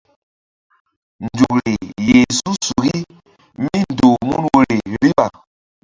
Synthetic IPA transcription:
nd͡ʒu˨k̚ɾi˨je˨su˦su˨ɡi˦ | mi˦n˨do˨mṵ˦nwo˦ɾi˨ɾi˦ɓa˨

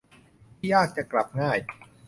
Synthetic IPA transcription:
t̪ʰiː˥˩jaː˥˩k̚t͡ɕa˨˩kla˨˩p̚ŋaː˥˩j

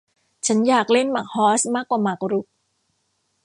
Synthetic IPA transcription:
t͡ɕʰa˦˥njaː˨˩k̚le˥˩nma˨˩k̚hɔː˦˥smaː˥˩kːwaː˨˩maː˨˩kɾu˦˥k̚

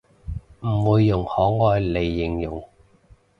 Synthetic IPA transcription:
m̩˨˩wuː˨˧jːʊ˨˩ŋhɔː˨˥ŋɔː˨˧jle˨˩jːɪ˨ŋjʊ˨˩ŋ

